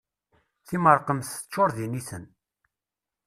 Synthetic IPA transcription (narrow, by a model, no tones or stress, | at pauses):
θiməɾˤqəmθt͡ʃːʊɾðiniθən